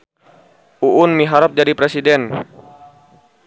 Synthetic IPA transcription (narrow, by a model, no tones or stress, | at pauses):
ʔuʔʊnmiɦaɾap̚d͡ʒadipɾesidɛn